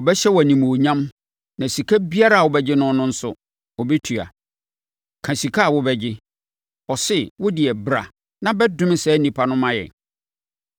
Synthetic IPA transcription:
ɔ˨bɛ˦ɕɛ˦wæ˨nĩ˨mː˨ɲã˦m | nã˨si˨kʰa˦bi˦a˦ɾa˦˨wɔ˨bɛ˦d͡ʑɪ˦nʊ̃˦nʊ̃˦n̩˦sʊ̰˦ | wɔ˨be˦tʰu˨a̰˨ | kʰã˨si˨kʰa˦a˨wʊ˦bɛ˦d͡ʑɪ˦ | ɔ˨sɪ˦wʊ˦dɪ˨ɛ˨bɾa̰˨ | nã˦bɛ˦dʊ̃˦mɪ˦sɛː˦nĩ˨pʰa˨nʊ̃˦mã˦jɛ̰˨

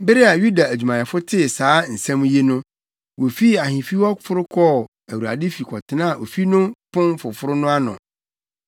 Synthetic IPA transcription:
be˦ɾɪ˦a˨ju˦da˨æ˨d͡ʑᶣu˨mã˨ɛ˨fʊ˦tʰɪ˦˨saː˨˦n̩˨sæ̃˦m̃˦je˦nʊ̃˦ | wo˨fi˦a˨ɦĩ˨fi˦wɔ˦fʊ˦ɾʊ˦kʰɔ˦˨ | æ˨wu˨a̰˨dɪ˦fi˨kʰɔ˨tʰɪ˨nã˦˨ʔo˨fi˦nʊ̃˦pʰʊ̃˦nfʊ˨fʊ˦ɾʊ˦nʊ̃˦a˦nʊ̰̃˨

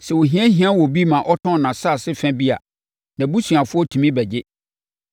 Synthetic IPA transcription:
sɛ˨wo˨ɦĩ˦ɛ˦ɦĩ˦ã˦wɔ˨bi˦mã˨ʔɔ˦tʰɔ̃˦˨nã˨sa˦˨sɪ˦fæ̃˦bi˦a̰˨ | nã˨bu˦su˨a˨fʊ˦ɔ˦tʰũ˨mĩ˦bɛ˨d͡ʑɪ˦

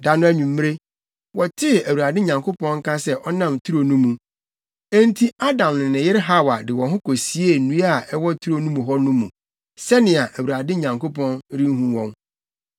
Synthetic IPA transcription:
da˨nʊ̃˦æ˦ɲũ˨mː˦ɾe˦ | wɔ˨tʰɪ˦˨æ˨wu˨a˨dɪ˦ɲã˨ŋkʰo˦pɔ̃˦nŋ̩˦kã˦sɛ˦ʔɔ˦nã˦mtʰu˦ɾo˨nũ˦mũ˨ | e˦n˦tʰi˦a˦dã˨mnɪ̃˨nɪ̃˨jɪ˦ɾɦa˦˨wa˨dɪ˨wɔ̃˨ɦʊ̃˦kʰo˨si˦e˦˨nũ˦a˨ʔɛ˦wɔ˦tʰu˦ɾo˦nũ˦mũ˨ɦɔ˦nʊ̃˦mṵ̃˨ | sɛ˦nɪ̃˨a˨ʔæ˨wu˨ɾa˨dɪ˦ɲã˨ŋko˦pʰɔ̃˦nɾĩ˦n˦ɦũ˦wɔ̃˦n

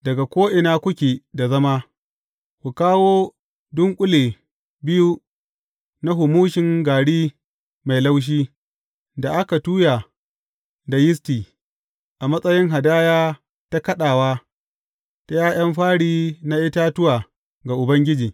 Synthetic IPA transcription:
dɐ˨ɡa˨kʷoː˦ʔɪ˨naː˦kʷʊ˦kʲeː˨da˨zɐ˦maː˦ | kʷu˨kaː˦woː˦ | dʊ˦ŋkʷʼʊ˦leː˨ | bɪ˦ju˦ | na˦ɦʊ˨muː˦ʃɪ˨ŋɡaː˨ɽiː˦ | ma˨jla˦wʃ̬iː˦ | da˨ʔa˦ka˨tuː˦ja˨ | da˨jɪ˦s̬tiː˨ | ʔa˨mɐ˦sʼɐ˦jɪ˦ŋɦa˨daː˦jaː˦ | ta˦kɐ˦ɗaː˨waː˦ | ta˦jaː˦j̰ɐ˦mɸaː˦ɽiː˦na˦ʔɪ˦taː˦tʊ˦waː˨ | ɡa˨ʔʊ˨bɐ˦ŋɡʲɪ˦d͡ʒiː˨

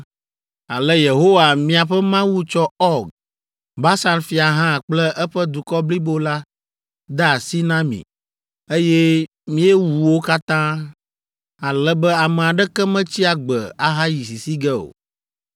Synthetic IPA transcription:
a˨lɛ˦je˨ɦo˦wa˨mĩ˦a˨ɸɛ˦mã˦wu˦t͡ʃɔ˦ɔ˦ɡ | ba˦sa˦nfi˨a˨ɦã˦˨k͡plɛ˦ʔɛ˦ɸɛ˦d̪u˨kɔ˦bli˦bo˦la˦ | d̪ɛ˦a˨si˦nã˦mḭ̃˨ | e˦jɛ˦ | mĩ˦ɛ˦wu˨wo˦ka˦t̪ã˦ | a˨lɛ˦bɛ˦a˨mɛ̃˨a˨ɖɛ˦kɛ˦mɛ̃˦t͡ɕi˦a˨ɡ͡bɛ˨a˨ɦa˦ji˨si˨si˦ɡɛ˦o̰˨

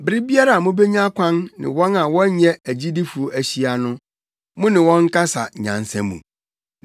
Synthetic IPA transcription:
bɪ˨ɾɪ˦bi˦a˦ɾa˨mʊ̃˦be˦ɲ˦ã˦kʰʷã˦nːɪ̰̃˨wɔ̃˦nã˨wɔ̃˦ɲɛ̃˦æ˨d͡ʑi˦di˦fu˨o˦æ˨ɕi˦a˨nʊ̃˦ | mʊ̃˦nɪ̃˨wɔ̃˦ŋ̩˦ka˦sa̰˨ɲã̰˨n˨sɛ̰̃˦mṵ̃˨

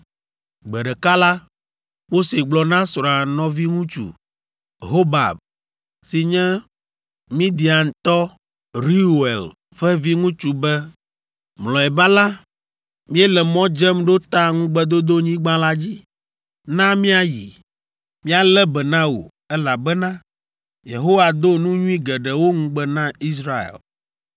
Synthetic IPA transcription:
ɡ͡bɛ˨ɖɛ˨ka˦la˦ | wo˦se˨ɡ͡blɔ˨nã˦sɾa˨nɔ̃˦vi˦ŋũ˦t͡ʃṵ˨ | ɦo˦ba̰˨b̚ | si˨ɲɛ̃˦ | mĩ˦d̪i˨a˨ŋ˨t̪ɔ˦ | ɾi˦˨ḛ˨l | ɸɛ˦vi˦ŋũ˦t͡ʃu˨bɛ˦ | mlɔ̃˨ɛ˨ba˦la˦ | mĩ˦ɛ˦lɛ˨mɔ̃˦d͡ʒɛ˦mɖo˦t̪a˦ŋũ˦ɡ͡bɛ˦d̪o˦d̪o˦ɲĩ˦ɡ͡bã˦la˦d͡ʑi˦ | nã˦mĩ˦a˦jḭ˨ | mĩ˦a˨lɛ˦bɛ˨nã˦wo̰˨ | ɛ˦la˨bɛ˦nã˦ | je˨ɦo˦wa˨d̪o˦nũ˦ɲũ˦i˦ɡɛ˨ɖɛ˨wo˦ŋũ˦ɡ͡bɛ˦nã˦i˦s̬ɾa˦ḛ˨l

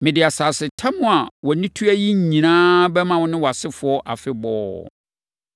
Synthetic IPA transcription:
mɪ̃˨dɪ˨a˨saː˨sɪ˨tʰa˦mʊ̃˨a˨wɔ˨nĩ˦tʰu˦æ˦ji˦ɲ˨ɲĩ˨nãː˦bɛ˦mã˨wʊ̃˦nɪ̃˦wa˨sɪ˦fʊ˨˦ɔ˦ʔa˨fɪ˦bɔː˦

